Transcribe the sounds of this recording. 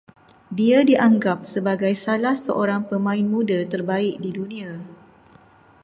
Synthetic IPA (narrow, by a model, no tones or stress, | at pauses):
diadiʔaŋɡap̚səbaɡajsalahsəʔoɾaŋpəmãɪnmũdat̪ərbaɪk̚didunĩa